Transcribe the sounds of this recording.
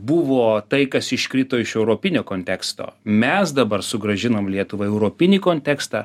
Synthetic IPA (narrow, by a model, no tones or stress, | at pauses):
bʊʋoːt̪ɐɪkɐsɪʃkɾʲit̪oːɪʃɛʊɾoːpʲɪnʲoːkoːnʲt̪ʲɛkst̪o̰ːmʲɛsd̪ɐbɐɾsʊɡɾɐʒʲɪnoːmlʲiɛt̪ʊʋɐɪɛʊɾoːpʲɪnʲiːkoːnʲt̪ʲɛkst̪ɑː